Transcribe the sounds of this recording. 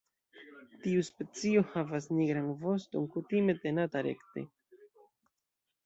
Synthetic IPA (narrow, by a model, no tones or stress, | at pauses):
tiuspe̞t͡sio̞havasniɡɾanvo̞stonkutime̞te̞nataɾe̞̰kte̞̰